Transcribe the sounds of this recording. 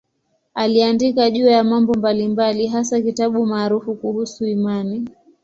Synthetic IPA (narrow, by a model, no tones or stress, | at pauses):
aliandikaʄuːjamambɔmbalimbaliɦasakitaɓumaːɾufukuhusuimani